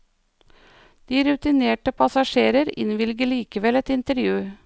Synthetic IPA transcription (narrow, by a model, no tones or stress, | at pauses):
d̪̥iːɾʉt̪ɪneːʈəpʰɑsɑʃeːɾəɾɪ̰nʋɪlɡəɭiːkəʋɛlɛt̪ɪnt̪əɾjʉː